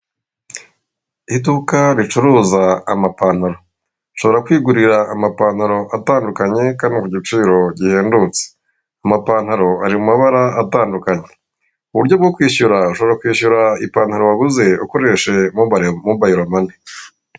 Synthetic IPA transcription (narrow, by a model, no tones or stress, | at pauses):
idukaɾit͡ʃuɾuːzaːmapaːn̥haɾo̞ | ʃo̞βo̞ɾakwiːɡuɾiɾaːmapaːn̥haɾo̞ʔataːndukaɲe̞kaːndikuɟit͡ʃiːɾo̞ɟihe̞ːndut͡se̥ | amapaːn̥haɾo̞aɾimumaβaɾaːtaːndukaɲe̞̥ | uβuɾɟo̞b̚ɡokwiːɕuɾauʃo̞βoɾakwiːɕuɾaipaːnhaɾoaɡuze̞uko̞ɾe̞ʃe̞muamuːbajiɾamane